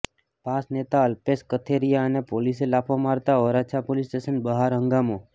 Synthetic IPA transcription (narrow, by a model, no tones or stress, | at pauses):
pasnet̪aəlpeskət̪ʰeɾijaənepoliselapʰomaɾt̪aɔɾat͡ʃʰapolisʈesənbəɦaɾɦə̃ŋɡamo